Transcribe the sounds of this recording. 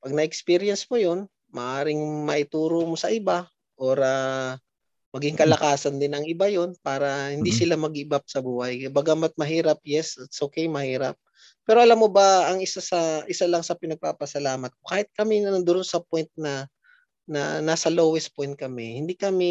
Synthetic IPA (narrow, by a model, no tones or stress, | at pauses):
pɐɡ̚nɐʔɛkspiɾɪjɛnsmojo̞n | mɐʔaːɾɪŋmɐʔɪt̪uːɾomosɐʔɪba | ʔoɾa | mɐɡɪŋkɐlɐkaːsɐnd̪ɪnɐŋɪbajo̞npaːɾɐhɪnd̪isɪlamɐɡɪbap̚sɐbuːhɐjbaɡamat̪̚mɐɦiːɾɐp̚jɛsɐt̪sʔokɛjmɐhiːɾɐp̚ː | ɛːɾoʔɐlamːobɐːŋɪsasɐʔɪsalɐŋsɐpɪnɐɡ̚paːpɐsɐlaːmɐt̪̚kokaːhɪt̪̚kɐmɛnɐɐnd̪ʊɾonsɐpojnt̪̚nɐ | nɐ̰naːsɐlowɛspojnt̪̚kɐmɛhɪnd̪ikɐmɛ